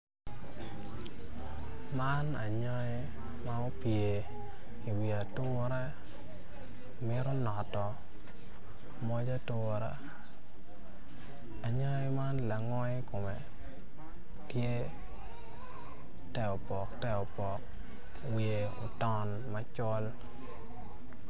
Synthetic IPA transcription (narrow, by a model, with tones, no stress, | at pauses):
ma˦na˨ɲɔ˦e˦ | ma˦o˦pje˨ | i˨wi˨a˨tʊ˦ɾa˦ | mɪ˦ɾɔ˦nɔ˨tɔ˨ | mɔ˦d͡ʒa˦tʊ˦ɾa̰˦ | a˨ɲɔ˦ɪ˦ma˦nla˨ŋɔ˦ɪ˦ko˨me˨ | tje˦ | tɛ˦˨o˨pɔ˨ktɛ˦o˨pɔ˨k̚ | we˨o˨tɔ˦n | ma˦t͡ʃɔ˦l